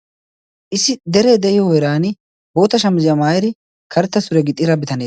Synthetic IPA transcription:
ʔɪsːɪd̪ɛɾeːd̪ɛʔɪjɔwɔjɾaːnɪ | bo̞ːt̪ɐʃɐmʊzɪjɐmaːjɛɾɪ | kʰɐɾt̪ːɐsʊɾɛɡɪt̪ʼːɪɾɐbɪt̪ɐneː

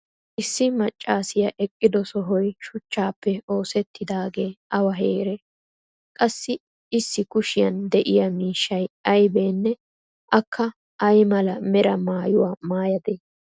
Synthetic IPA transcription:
ʔɪsːɪmɐt͡ʃʼːaːsɪjɐʔɛkʼːɪd̪ɔsɔɦɔjʃʊt͡ʃːaːpːɛo̞ːsɛt̪ːɪd̪aːɡeːɐwɐɦeːɾɛ | kʼɐsːɪ | ɪsːɪkʊʃɪjɐnd̪ɛʔɪjɐmiːʃːɐjɐjbe̞ːnːɛ | ʔɐkʰːɐ | ʔɐjmɐlɐmɛɾɐmaːjʊwaːmaːjɐd̪eː

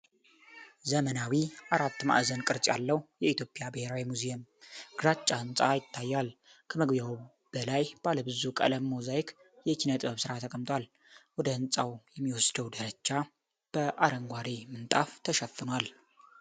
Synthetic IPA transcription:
zəmənawiʔaɾat̪ːma̰ʔzənkʼɨɾt͡ʃʼja̰lːəhujɛit̪ʰjo̞pʼjabɨheɾawimuzemɡ̥ɨɾat͡ʃʼːahɨnsʼajɪt̪ʰːajːal | kʰəməɡbjaw | b̥əlajb̥aləbɨzukʼə̰ləmmozajkʰ | jɛkʰinət̪ʼɨbəβsɨɾat̪ʰəkʼəmt̪ʼwal | wɔd̪əhɨnt͡sʼawjɛmːiwɔsd̪əwd̪əɾət͡ʃːa | b̥əʔaɾəŋɡʷaɾemɨnt̪ʼaft̪ʰəʃəfːɨnwal

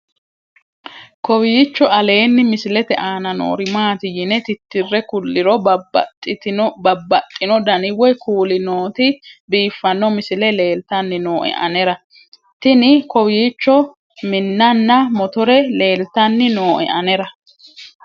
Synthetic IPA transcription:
kɔwɪt͡ʃːɔʔɐle̞ːnːɪmɪsɪlɛt̪ɛʔaːnɐno̰ːɾɪmaːt̪ɪjɪnɛt̪ɪt̪ːɪrːɛkʊlːɪɾɔbɐtʼːbɐbːɐt̪ʼːɪnɔd̪ɐnɪwɔjkuːlɪnoːt̪ɪbiːfːɐnːɔmɪsɪlɛle̞ːlt̪ɐnːɪnoːʔɛ̰ʔɐ̰nɛɾɐ | t̪ɪnɪkɔwɪjt͡ʃːɔ | mɪnːɐnːɐmɔt̪ɔɾɛle̞ːlt̪ɐnːɪnoːʔɛ̰ʔɐnɛɾɐ

